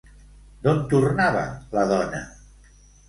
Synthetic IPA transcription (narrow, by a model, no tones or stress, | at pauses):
d̪ont̪urnaβə̰ləð̞ɔnə